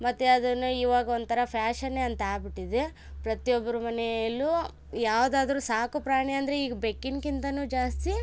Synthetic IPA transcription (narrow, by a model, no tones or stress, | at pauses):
mɐt̪ːeɐd̪ɐnːuiːʋaːɡɐond̪t̪ʰɐɾɐpʰjaːʃɐnːeɐnt̪ɐaːbiʈːid̪e | pɾɐt̪ijobːɐɾumɐneɐlːu | jaːʋd̪aːd̪ɐɾusaːkupɾaːɳeɐnd̪ɐɾeiːɡɐbekːiŋkint̪ɐnuːd͡ʒaːst̪i